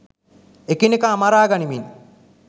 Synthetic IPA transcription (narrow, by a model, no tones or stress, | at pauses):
ekinekaːmaɾaːɡanimin